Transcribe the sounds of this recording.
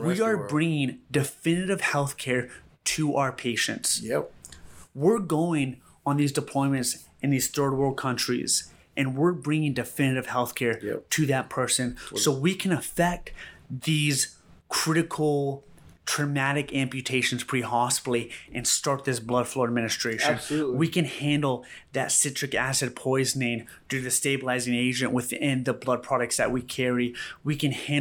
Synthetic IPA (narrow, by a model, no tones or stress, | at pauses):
wiə˞bɹɪ̃ŋɪ̃ŋdɨfɪ̃nɨɾɨv̥hɛlˠθkʰɛɹɾʰɨʔa̰ʊə˞pʰeɪʃɨ̰̃nts | wɪɹɡoʊɪ̃ŋ | ə̃nðizdɨpʰl̥ɔ̃ɪ̃mɨ̃nts | ɨ̃nðiz̥θɜ˞d̚wə˞kʰʌ̃nt͡ʃɹ̥ḭz | ʔɨ̃nwɪɹbɹɪ̃ŋɪ̃ŋdɨfɪ̃nɨɾɨv̥hɛlˠθkʰɛɹɾɨðɨt̚pʰɜ˞sɨ̃nssoʊwikʰɨ̃nəfɛk̚t̪ðiz̥ | kʰɹ̥ɪɾɨkʰl̩ˠ | tʰɹ̥ɨmæɾɨkæ̃mpjɨtʰeɪʃɨ̃n̩z̥pʰɹ̥ihɑstˡl̩ˠiʔɨ̃nstɑɹt̪̚ðɪsblʌd̥flɔɹəd̚mɪ̃nɨstɹ̥eɪʃɨ̃nwikɨ̃nhæ̃ndˡl̩ˠðɨtsɪtt͡ʃɹ̥ɨkæsɨd̚pʰɔɪznɪ̃ŋ | dʉðɨsteɪbəlaɪzɪ̃ŋeɪd͡ʒɨ̃nʔwɨθɪ̃nðəblʌd̚pʰɹ̥ɑɾɨk̚tsðɨ̰ʔ̚wikʰɛɹiwikɨ̃nhæ̃